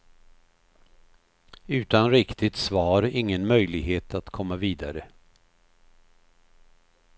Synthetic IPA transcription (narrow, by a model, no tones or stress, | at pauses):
ʉ̟ːt̪anɾɪkt̪ɪt̪svɑːɾɪŋːənmœjlɪɡɦeːt̪ʰat̪kʰɔmːaviːd̪aɾə